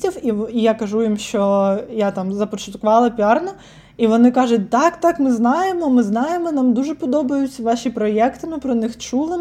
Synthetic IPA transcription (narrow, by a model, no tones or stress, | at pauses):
tʲiwiijakɐʒujimʃt͡ʃɔjat̪ɑmzɐpɔt͡ʃɐt̪kʊʋɑlˠɐpʲɑrnɔ | iʋɔnɪkɑʒʊt̚ʲt̪ɑkt̪ɑkmɪznɑjemɔmɪznɑjemɔnɑmd̪uʒɛpɔd̪ɔbɐjʊt͡sʲːɐʋɑʃʲipɾɔjɛkt̪ɪmɪpɾɔnɪxt͡ʃulˠɪ